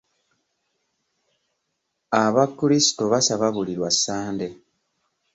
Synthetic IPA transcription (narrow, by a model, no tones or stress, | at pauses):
aβaklisi̥toβasaβaβuliɾwasːaːnde̞